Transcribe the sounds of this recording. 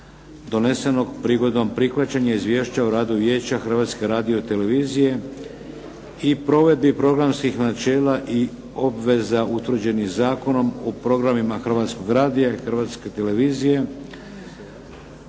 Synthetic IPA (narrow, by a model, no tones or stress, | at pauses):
d̪o̞ne̞se̞no̞ɡpɾiɡo̞d̪o̞mpɾixʋat͡ɕaɲaizʋje̞ːʃt͡ɕauɾaːd̪uʋje̞ːt͡ɕaxr̩ʋaːt̪ske̞ɾaːd̪io̞t̪e̞le̞ʋiːzije̞ | ipɾo̞ʋe̞d̪̚bipɾo̞ɡɾamskixnat͡ʃe̞ːlaʔi | o̞bʋe̞zaut̪ʋr̩d͡ʑe̞nixzaːko̞no̞mopɾo̞ɡɾamimaxr̩ʋaːt̪sko̞ɡɾaːd̪ijaixr̩ʋaːt̪ske̞t̪e̞le̞ʋiːzije̞